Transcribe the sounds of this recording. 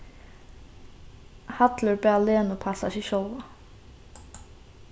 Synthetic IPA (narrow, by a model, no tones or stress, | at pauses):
hɑt̪ləɹbeːɑleːnoːpʰɑsɑ̰ʃiʃɔlʋɑ